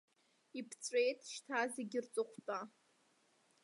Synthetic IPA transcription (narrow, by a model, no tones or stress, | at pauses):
ipʰt͡sʷʼejtʰʼʃtʰazeɡʲɪrt͡sʼɨχʷʰtʼa